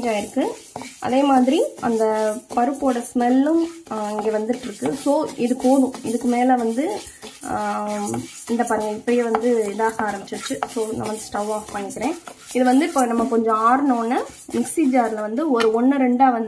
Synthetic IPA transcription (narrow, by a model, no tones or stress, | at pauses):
d͡ʒaːɪɾɯkːɯ | ʔɐ̰ðeːmaːðɪɾiɐ̰nd̪ɐpɐɾɯpːoːɽɐsmɛlːɯmɪŋɡeːʋɐnd̪ɯʈːɾɯkːɯsoːɪðɯkːoːðɯ̃ɪðɯkːɯmeːlɐʋɐnd̪ɯ | ɪnd̪ɐpɐɾŋɡɐɪpːɐjɐʋɐnd̪ɯɪðaːɣɐaːɾɐmbɪt͡ʃːɪɾɯt͡ʃːɯsoːnã̰ːʋɐnd̪ɯsʈɐʋaːfpɐɳːɪkːɪɾẽːɪðɐʋɐnd̪ɯɪpːoːnɐmːɐkɔɲd͡ʒɔ̃aːɾnoːnːɐ | mɪksiːd͡ʒaːɾlɐʋɐnd̪ɯɔɾɯɔɳːɯɾɛɳɖaːʋɐnd̪